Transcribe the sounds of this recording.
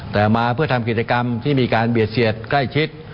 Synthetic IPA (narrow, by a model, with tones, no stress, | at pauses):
t̪ɛː˨˩maː˧pʰɯ˥˩ət̪ʰa˧mki˨˩t͡ɕa˧ka˧mt̪ʰiː˥˩miː˧kaː˧nbi˨˩ət̪̚si˨˩ət̪̚kla˥˩jt͡ɕʰi˦˥t̪̚